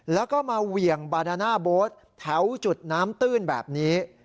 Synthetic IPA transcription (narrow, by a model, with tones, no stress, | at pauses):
lɛː˦˥wkɔː˥˩maː˧wi˨˩əŋbaː˧naː˧naː˥˩boː˦˥t̪̚ʰːɛ˦˥wt͡ɕu˨˩t̪̚naː˦˥mt̪ɯː˥˩nbɛ̰ː˨˩p̚niː˦˥